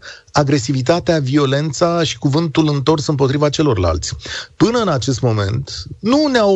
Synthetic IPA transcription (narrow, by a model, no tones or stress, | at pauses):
aɡɾe̞sivit̪at̪eavio̞le̞nt̪saʃi̥kuvɨnt̪ulɨnt̪o̞rsɨmpo̞t̪ɾivat͡ʃe̞lo̞rla̰lt̪sʲpɨnəɨnat͡ʃe̞s̬t̪mo̞me̞̰nt̪nunea